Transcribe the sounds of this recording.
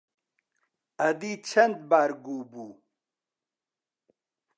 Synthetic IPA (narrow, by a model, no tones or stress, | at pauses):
ɐd̪it͡ɕʰɐnd̪̚baːɾɡubuː